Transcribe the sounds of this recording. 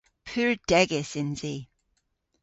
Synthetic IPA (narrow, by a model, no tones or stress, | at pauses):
pʰʉːɹd̥ɛɡɪsɪ̃nzi